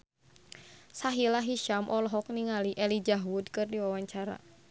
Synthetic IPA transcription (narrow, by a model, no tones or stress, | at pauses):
saɦilaɦiʃamʔɔlɔɦɔk̚niŋaliʔɛlid͡ʒaɦwudkɨrdiwawaɲt͡ʃaɾa̰